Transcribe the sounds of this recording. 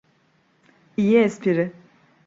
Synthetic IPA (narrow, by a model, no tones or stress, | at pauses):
ijiɛspʰiɾɪ